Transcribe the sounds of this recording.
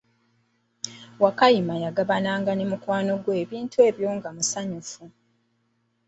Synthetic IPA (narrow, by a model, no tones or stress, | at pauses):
wakajimajaɡaβanaːŋɡanemukwaːno̞ɡwe̞ːβiːntue̞ːβjo̞ːŋɡamusaɲufu